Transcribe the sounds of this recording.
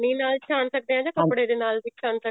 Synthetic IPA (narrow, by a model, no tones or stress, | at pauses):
nĩːnaːlt͡ʃʰaːnsək̚d̪eːɦãːd͡ʒãːkəpɽeːd̪eːnaːlbiːt͡ʃʰaːnsə